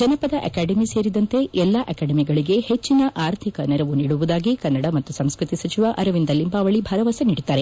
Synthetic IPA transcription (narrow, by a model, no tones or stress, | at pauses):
d͡ʒɐnɐpɐd̪ɐʔɐ̰kaːɖemiseːɾid̪ɐnt̪e̞ʔɛlːaːʔɐkaːɽɐmiɡɐɭiɡe̞het͡ʃːinɐʔaːɾt̪ʰikɐnɛɾɐʋuniːɽuʋud̪aːɡikɐnːɐɽɐmɐt̪ːusɐmskɾut̪isɐt͡ʃiʋaʔɐɾɐʋind̪ɐlːimbaːʋɐɭibʱɐɾɐʋaːsɐniːɽit̪ːaːɾe